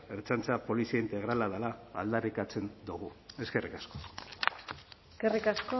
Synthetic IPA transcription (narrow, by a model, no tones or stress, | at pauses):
eɾt͡sant͡sapo̞lisiaint̪e̞ɣ̞ɾalaðala̰ːld̪arikat͡se̞nd̪uɣ̞ue̞ske̞rikasko̥ | skerikasko